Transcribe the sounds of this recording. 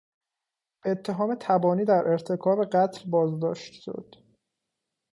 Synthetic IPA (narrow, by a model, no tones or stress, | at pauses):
b̥eet̪ʰːe̞ɦɒːme̞t̪ʰæbɒːniːd̪æɾʔe̞ɾt̪ʰe̞kʰɒːbe̞ɢæt̪ʰlbɒːzd̪ɒ̰ːʃt̪ʃo̰d̪̥